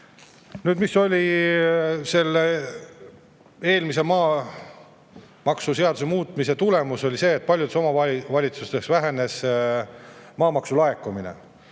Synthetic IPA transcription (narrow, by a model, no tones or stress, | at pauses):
nyːd̪miso̞lʲi | se̞lːe | e̞ːlmis̬e̞mɑː | mɑksuse̞ɑd̪use̞muːt̪mise̞t̪ule̞muso̞lʲise̞ːt̪̚ːˑpɑlʲjud̪eso̞mɑɑvɑlʲit̪sust̪eksvæɦe̞ne̞s | mɑːmɑksulɑekːˑuminḛ